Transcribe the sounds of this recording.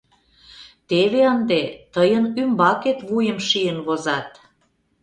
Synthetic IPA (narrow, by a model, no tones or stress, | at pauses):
t̪eβeənd̪et̪əjənymbɑket̪βujəmʃijənβozɑt̪